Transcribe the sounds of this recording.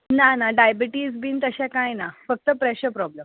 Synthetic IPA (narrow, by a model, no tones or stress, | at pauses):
nanaɖajbəʈiːzbʱiːnt̪əɕãkãjnafək̚t̪əpɾɛɕəɾpɾɔblem